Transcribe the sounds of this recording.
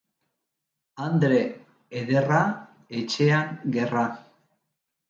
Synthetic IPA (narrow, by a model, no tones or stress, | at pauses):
and̪ɾe̞ː | ðe̞ra | et͡ʃe̞aŋɡe̞ra